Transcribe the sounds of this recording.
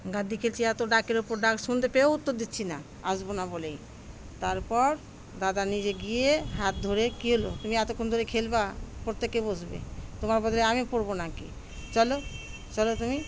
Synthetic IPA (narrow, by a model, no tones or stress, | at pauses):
ɡad̪ʱikʰelt͡ɕʰiɛt̪oɖakeɾupoɾɖakʃund̪epeout̪ːoɾd̪itːɕʰina | asbonabolej | t̪aɾpɔɾ | d̪ad̪anid͡ʑeɡijeɦat̪̚d̪ʱoɾekiɦolot̪umiɛt̪okʰːond̪ʱoɾekʰelbapoɾt̪ːekːebod͡ʑʱbḛt̪omaɾbɔd̪ʱɔleamipoɾbonakḭ | t͡ɕɔlo | t͡ɕɔlot̪umi